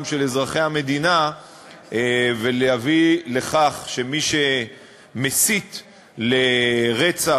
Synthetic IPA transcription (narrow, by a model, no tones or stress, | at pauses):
mʃe̞le̞zʁaχe̞jhame̞d̪ina | ve̞lejavile̞χaχʃe̞miʃe̞ | mesit̪ | leʁet͡sa